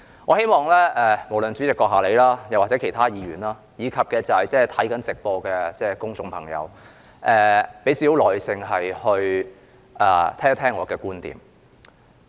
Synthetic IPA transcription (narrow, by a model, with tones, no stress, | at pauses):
ŋɔː˨˧he˥jmɔː˨˩ŋlɛː˥ɛː˧mo˨˩wlɵ˨nt͡syː˨˥t͡sɪ˨kːɔː˧k̚ɦaː˨˩le˨˧jlaː˥jɐ˨˩waː˨t̚t͡sɛ˨˥kʰe˨˩jt̪ʰaː˥jiː˨˧ɥyː˨˩nlaː˥ | jiː˨˧kʰɐ˨p̚kɛː˧t͡sɐ˨hɐ˨jt͡sɛː˥˩t̪ʰɐ˨˥jkɐ˨˥nt͡sɪ˨k̚pɔː˧kɛ˧t͡sɛː˥˩kʊ˥ŋt͡sʊ˨ŋpʰɐ˨˩ŋjɐ̰˨˧w | ʔɛː˨˧pe˨˥jsi˨˥wlɔː˨˩jsɪ˧ŋɦɐ˨jhɵ˧ɥ | ʔɛː˨˩t̪ʰɛː˥ŋ˧˥t̪ʰɛː˥ŋːɔː˨˧kɛː˧kuː˥nt̪ḭː˨˩m